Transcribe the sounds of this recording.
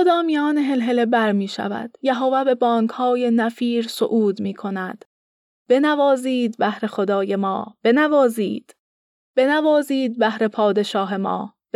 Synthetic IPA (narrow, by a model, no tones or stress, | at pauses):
od̪ɒːmijɒːneɦe̞lɦe̞le̞bæɾmiːʃæ̰væ̰d̪̥jæɦovæbe̞bɒːŋkʰhɒːje̞næfiːɾso̰ʔuːd̪miːkʰo̞næd̪̥ | b̥e̞nævɒːziːd̪bæhɾe̞xod̪ɒːje̞mɒːb̥e̞nævɒːzḭːd̪̥ | b̥e̞nævɒːziːd̪̚bæhɾe̞pʰɒːd̪e̞ʃɒːɦe̞mɒ̰ː | b